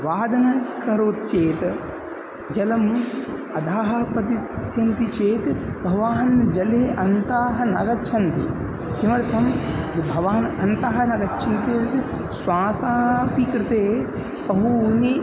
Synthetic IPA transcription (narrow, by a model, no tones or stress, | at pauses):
ʋaːd̪ɐnɐkɐɾoːt̪t͡ʃeːt̪ | d͡ʒɐlɐm | ɐd̪ʱaːɦɐpɐt̪ist̪jɐnt̪it͡ʃeːt̪bʱɐʋaːnd͡ʒɐleʔɐnt̪aːɦɐnɐɡɐt͡ʃʰɐnt̪ḭ | kimɐɾt̪ʰɐmbʱɐʋaːnɐnt̪aːɦɐnɐɡɐtːt͡ʃʰɐnt̪eːt̪ | swaːsaːɦpikɾɪt̪eː | pɐɦuni